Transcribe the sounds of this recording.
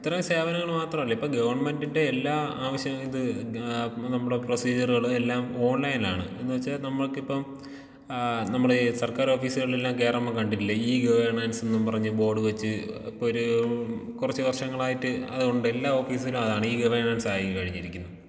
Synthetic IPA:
it̪ːɐɾɐmse̞ːʋɐnɐŋːɐɭmaːt̪rɐmɐlːɐipːoːɡɐʋɐrɳɐme̞ndinde̞ːlːaːaːʋɐɕjɐmiðɨ | nɐmːuɽepro̞siːd͡ʑɐruɣɐɭumelːaːmo̞ːnlɐjnaːɳɨ̰e̞nːuʋɐt͡ɕːanɐmːɐɭokːipːɐm | nɐmːuɽesɐrkaːɾo̞ːfiːsiɣɐɭelːaːmke̞ːrɐmokɐɳɖitːilːɐiːɡɐʋɐrɳɐnsenːumpɐrɐɲːɨbo̞ːɖɨʋet͡ɕːɨḭpːooɾukurɐt͡ɕːɨʋɐrʂɐŋːɐɭaːjitːɨɐ̰ðuɣo̞ɳɖɨe̞lːaːo̞ːfiːsɐlumɐðaːɳɨiːɡɐʋɐrɳɐnsaːjikɐɻiɲːiɾikʲːunːu

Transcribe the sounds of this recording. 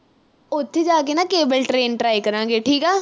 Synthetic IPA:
ʊt̪ʰːeːd͡ʒaːkeːnaːkeːbəlʈɾeːnʈɾaːikəɾãːɡeːʈʰiːkaː

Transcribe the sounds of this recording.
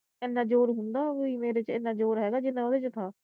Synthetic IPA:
ɛnːaːd͡ʒoːɾɦʊnd̪aːʋiːmeːɾeːt͡ʃɪnːãːd͡ʒoːɾɦɛːɡaːd͡ʒɪnːãːəd̪eːt͡ʃt̪ʰaː

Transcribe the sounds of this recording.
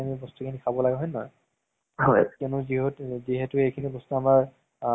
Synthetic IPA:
amibɔstukʰinikʰabɔlaɡɛɦɔjnɔ̰j | hɔjkɛnʊziɦotziɦetʊejkʰinibɔstuamaɹ

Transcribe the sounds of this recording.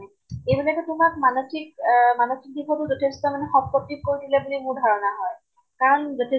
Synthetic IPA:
nɛ | ebulɛkɔtʊmakmanokik̚manokik̚dikʰɔtʊzɔtʰestɔmanexɔb̚kɔtːikoɹidilebulimũɹdʱaɹɔnaɦɔj | kaɹɔnzɔtʰe

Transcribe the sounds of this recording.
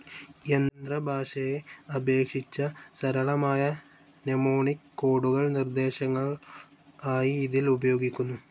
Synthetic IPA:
end̪rɐbʱaːʂɐjeɐbe̞ːkʂit͡ɕːɐsɐɾɐɭɐmaːjɐ | nemoːɳikːo̞ːɽuɣɐɭnird̪e̞ːɕɐŋːɐɭ | aːjiːðilubɐjo̞ːɡikʲːunːu

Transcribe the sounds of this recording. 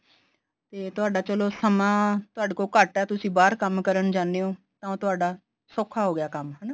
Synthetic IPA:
t̪eːt̪ʊaːɖaːt͡ʃəloːsəmãːt̪ʊaːɖkoːkəʈɛːt̪ʊsĩːbaːɾkəmkəɾəɳd͡ʒãːneːõː | t̪ãːõt̪ʊaːɖaː | soːkʰaːɦoːɡɪjaːkəmɦən

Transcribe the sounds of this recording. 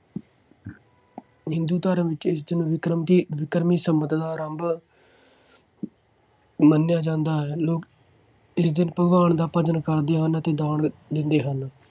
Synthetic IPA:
ɦɪ̃nd̪uːt̪əɾəʋɪt͡ʃɪs̬d̪ɪnːʋɪkɾəmt̪iːʋɪkɾmiːsəmət̪d̪aːɾəmb | mənːjaːd͡ʒãːnd̪aːɦɛːloːk | ɪsd̪ɪnpəɡaːɳd̪aːpəd͡ʒənkəɾd̪eːɦənət̪eːd̪aːɳd̪ɪnd̪eːɦən

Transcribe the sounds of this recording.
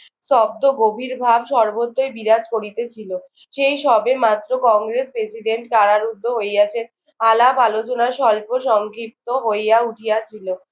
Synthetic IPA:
ʃɔb̚d̪oɡobʱiɾbʱabʃɔɾbot̪ːojbiɾad͡ʑkoɾit̪et͡ɕʰilo | ʃejʃɔbemat̪ːɾokɔŋɡɾespɾesiɖeɳʈkaɾaɾud̪ʱːoɦoejat͡ɕʰen | alabalot͡ɕonaɾʃɔlpoʃɔŋkʰip̚t̪oɦojjauʈʰijat͡ɕʰilo

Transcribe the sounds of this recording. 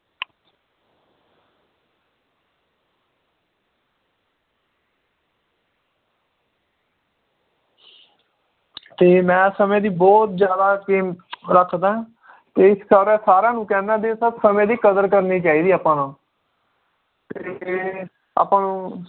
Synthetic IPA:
t̪eːmɛ̃ːsəmẽːd̪iːbɔːt̪d͡ʒjaːd̪aːkeːmɾəkʰd̪aːɦ | t̪eːɪsəːɾɛːsaːɾãːnũːkɛːnaːd̪eːsəbsəmẽːd̪iːkəd̪əɾkəɾniːt͡ʃaːiːd̪iːaːpãːnãː | t̪eː | a̰ːpãːnũː

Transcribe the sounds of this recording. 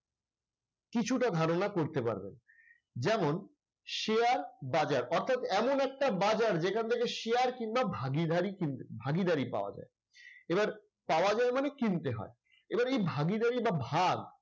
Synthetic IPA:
kit͡ɕʰuʈad̪ʱaɾonakoɾt̪epa̰ɾbḛn | d͡ʑɛmon | ʃeaɾbad͡ʑaɾɔɾt̪ʰat̪ɛmonɛk̚ʈabad͡ʑaɾd͡ʑekʰant̪ʰekeʃeaɾkiŋbabʱaɡid̪aɾikint̪ebʱaɡid̪aɾipa̰oa̰d͡ʑa̰e | ebaɾ | paoad͡ʑaemanekint̪eɦɔ̰e | ebaɾejbʱaɡid̪aɾibabʱaɡ

